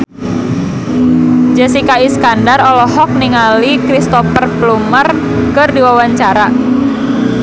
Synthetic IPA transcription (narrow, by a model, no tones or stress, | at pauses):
d͡ʒɛsikaisə̥kandarɔlɔhɔk̚niŋalikɾist̪ɔpərplumər | kərdiwawaɲt͡ʃaɾa